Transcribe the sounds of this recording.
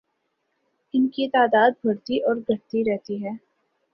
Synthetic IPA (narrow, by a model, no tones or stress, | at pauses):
ɪnkit̪aːd̪aːd̪̚bʱɐɽt̪iʔɔːɾɡʱɐɾt̪iɾɛɦt̪iɦɛː